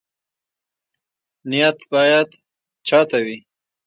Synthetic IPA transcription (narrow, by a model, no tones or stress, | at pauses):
nɪjat̪bɑjad̪ | t͡ʃɑt̪awi